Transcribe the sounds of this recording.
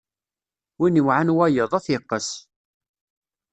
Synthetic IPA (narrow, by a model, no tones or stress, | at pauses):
winiwʕanwæjəðˤæθjəqːəs